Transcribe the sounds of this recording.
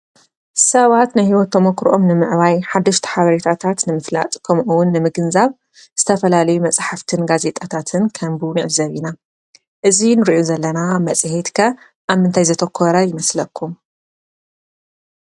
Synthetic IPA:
sɐβat̪najhiwɔt̪ːʰɐmokɾʔo̞mnɨmɨʕβajħad̪ːɐʃt̪ʰi̥ħaβɐɾet̪ʰat̪ʰat̪nɨmɨfla̰t̪ʼkʰɐmʔuwʊnːɨmɨɡɨnzaβ | z̥ɨt̪ʰɐfɐlalɐjumɐt͡sʼħaft̪ʰɨnɡaze̞t̪ʼat̪ʰat̪ʰɨnkʰɐmbunɨʕɨzɐβina | ʔɨzinɨɾiʔozɐlːɐnamɐt͡sʼhet̪kʰɐ | ʔaβmɨnt̪ʰajzɐt̪ʰɐkʰːoɾajɪmɐslɐkʰːum

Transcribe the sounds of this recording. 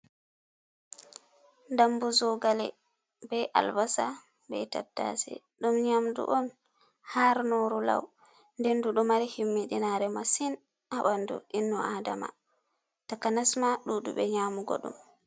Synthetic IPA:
dambuzɔɡalɛ̰ | bɛʔa̰lbasa | bɛ̰ta̰tːa̰sɛ̰ | ɗumɲamdṵʔɔn | haɾnɔɾula̰w | ndɛnduɗɔmaɾihimːiɗinaɾɛmasin | ʔaɓandṵʔinːɔada̰ma̰ | takanasmaɗuɗṵɓɛɲaːmuɡɔ̰ɗṵm

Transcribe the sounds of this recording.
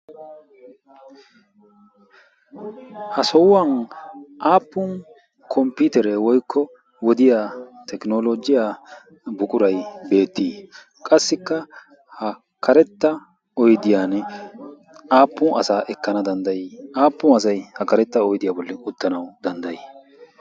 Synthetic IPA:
hɐsɔwːɐnʔaːpːʊn | kʰɔmpɪt̪ɛɾɛwɔjkʰːɔ | wɔd̪ɪjaːt̪ɛknoːlod͡ʒɪjaː | bʊkʼʊɾɐjbe̞ːt̪ːiː | kʼɐsːɪkːɐ | hɐ | kʰɐɾɛt̪ːɐ | ɔjd̪ɪjaːnɛ | aːpːʊnʔɐsaːʔɛkːɐnɐd̪ɐnd̪ɐjiaːpːʊnɐs̬ɐjhɐkɐɾɛt̪ːɐɔjd̪ɪjaːbɔlːɛʊt̪ːɐnɐwd̪̥ɐnd̪ɐji

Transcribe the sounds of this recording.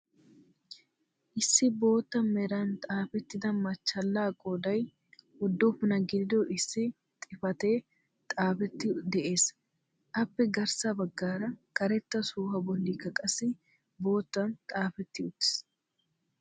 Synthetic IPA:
ʔɪsːɪbo̞ːt̪ːɐmmːɛɾant̪ʼaːfɛt̪ːɪd̪ɐmːɐt͡ʃːɐlːaːkʼoːd̪ɐj | hɔd̪ːuːfnɐɡɪd̪ɪd̪oʔɪsːɪ | t̪ʼɪfɐt̪e̞ː | t̪ʼaːfɛt̪ːɪd̪ɛʔe̞ːs | ʔɐbːɛɡɐɾsabɐɡːaːɾɐkɐɾɛt̪ːɐsuːhɐbɔlːikɐkʼɐsɪ | bo̞ːt̪ːɐnt̪ʼaːfɛt̪ːɪʊt̪ːɪ̥s

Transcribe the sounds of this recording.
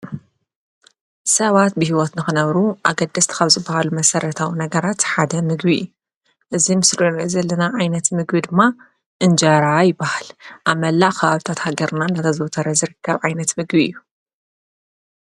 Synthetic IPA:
sɐβat̪̚bɨhiwɔt̪nɨxɨnɐβɾuʔaɡɐd̪ːɐst̪ʰi̥kʰaβzɨbːahalumɐsɐɾɐt̪ʰawinɐɡɐɾat̪ħad̪ɐmɨɡbijːu | ʔɨzimɨslonzɐlːɐnaʕajnɐt̪mɨɡbid̪ɨmːa | ʔɨnd͡ʒɐɾajɪbːahalʔaβmɐlːaʔkʰɐβaβit̪ʰat̪haɡɐɾnandɐt̪ʰɐzɨwt̪ʰɐɾɐzɨɾɨkʰːɐβʕajnɐt̪mɨɡbiɨjːu

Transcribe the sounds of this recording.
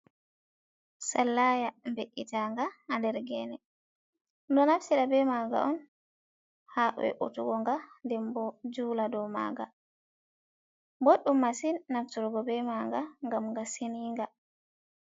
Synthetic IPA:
salːajambeʔːitaŋɡaandɛɾɡɛnɛ | ndɔnafsiɗabɛmaɡa̰ʔɔn | haʔɔ̰ɛ̰ʔo̰tuɡɔŋɡandɛmbɔd͡ʒuːladɔma̰ɡa | boɗumːasinːaftuɾɡɔbɛmaŋɡaŋɡamŋɡaseniːŋɡa

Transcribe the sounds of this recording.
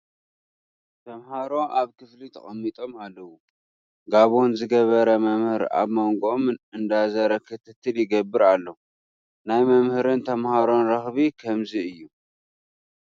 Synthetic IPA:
t̪ʰɐmhaɾo̞ʔaβkʰɨflit̪ʰɐ̰χʼɐmːit̪ʼo̞malːɐwu | ɡaβonzɨɡɐβɐɾɐmɐmhɨɾa̰βmoŋɡomɨnɨnd̪azɐɾɐkʰɨt̪ʰɨt̪ʰːɨljɪɡɐbːɨɾalːo | najmɐmhɨɾɨnt̪ʰɐmhaɾo̞nɾɐxβikʰɐmziɨjːu

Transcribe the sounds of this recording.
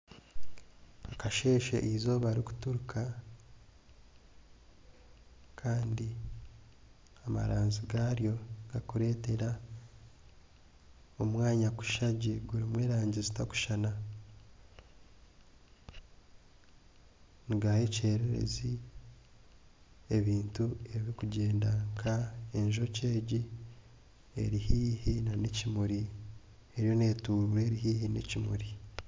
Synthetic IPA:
akaʃe̞ːʃḛʔizo̞βaɾiku̥tuɾukʰa | kʰaːndi | ama̰ɾaːnziɡaɾjo̞ɡ̥akuɾe̞ːte̞ɾa | o̞mwaːɲaku̥ʃaɟeɡuɾimweːɾaːɲɟizitaku̥ʃana | niɡahece̞ːɾeɾḛzi | eβiːntue̞βikuɟe̞ːndaŋkʰae̞ɲʒo̞ce̞ːɟi | e̞̰ɾihiːhinanecimuɾi | e̞ɾjo̞ne̞ːtuːɾuɾe̞ːɾiɦiːhinḛcimṵɾi

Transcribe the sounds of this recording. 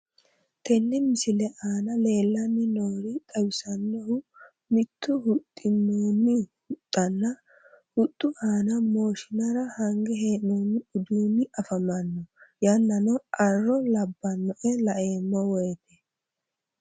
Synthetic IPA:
t̪ʰɛnːɪmɪsɪlɛʔaːnɐle̞ːlːɐnːɪnoːɾɪtʼɐwɪsɐnːɔhʊ | mɪt̪ʰːʊhʊt̪ʼːɪnːoːnːɪhʊt̪ʼːɐnːɐ | hʊt̪ʼːʊʔaːnɐmo̞ːʃɪnɐɾɐhɐŋɡɛɦeːnoːnːɪʊd̪uːnːɪʔɐfɐmɐnːɔjɐnːɐnɔɐrːɔlɐbːɐnːɔʔɛlɐʔeːmːɔwɔjɛt̪ɛ

